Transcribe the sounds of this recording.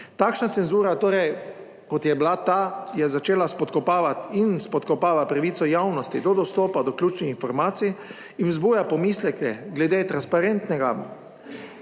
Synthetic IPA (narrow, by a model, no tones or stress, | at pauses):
t̪aːkʃnat̪sɛnzuːɾat̪oːɾɛj | kɔt̪jɛblat̪aːjɛzat͡ʃeːlaspɔt̪kɔpaːʋat̪inspɔt̪kɔpaːʋat̪̚pɾaʋiːt̪sɔjawnɔst̪id̪ɔd̪ɔst̪oːpad̪ɔklʲuːt͡ʃnixinfɔɾmaːt̪sij | inzbuːjapɔmiːslɛkɛɡlɛd̪eːt̪ɾanspaɾent̪nɛɡa